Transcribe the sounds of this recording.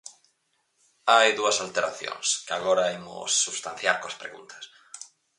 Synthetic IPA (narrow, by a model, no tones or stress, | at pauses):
ajðuɐsalt̪eɾaθjõ̰ŋskɪaɣoɾɐemʊ̰sːuβst̪ãn̟θjaɾkoɐspɾeɣṵnt̪ʰɐ̥s